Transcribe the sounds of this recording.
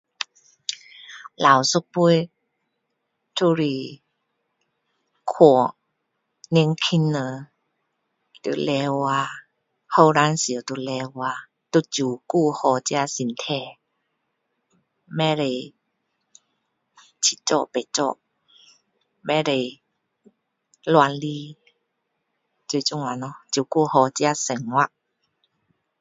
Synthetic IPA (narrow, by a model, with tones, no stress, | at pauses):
laː˨˦wsu˧˦k̚pu˧˥˨j | tʰu˧ɾiː˧˩ | kʰu˧˩ | ne˧˥ŋkʰi˧˥nːə˨˧˦ | t̪ṵ˨lɛː˧waː˧ | hə˧˨wɾaː˧˥˨nsi˨ə˦wt̪u˧˩lɛː˧waː˧ | t̪u˧˩t̚t͡ɕuː˨˩kuː˧˩hɔː˧˩t͡ɕi˧a˧si˨˦nt̪ʰɛː˧˩ | mɛ̃˦ɾe˨˩j | t͡ɕʰi˧˩t͡ɕɔ̰˧˨pe˨t͡ɕɔ̰˧˨ʔ | mɛ̃˦ɾe˨˩ | lwa˧nli˦ | t͡ɕwi˧t͡ɕu˥˧˨ŋa˨nɔ˧t͡ɕju˨˩ku˥˧˨hɔ˧t͡ɕja˧˦sə˨˩ŋwa˧ʔ